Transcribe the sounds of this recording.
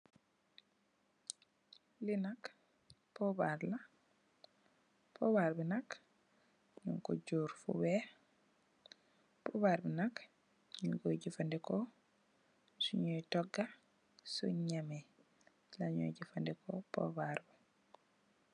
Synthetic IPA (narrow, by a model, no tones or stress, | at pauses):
linak | pɔbaɾla | pɔbaɾbinak | ɲṵŋkɔ̰ɟuːɾfṵwɛ | pɔbaɾbinak | ɲuɡoɟifandɛko | suɲojtɔɡːa | sṵɲame | laɲo̰jɟifandɛkʰo̰pɔ̰baɾbi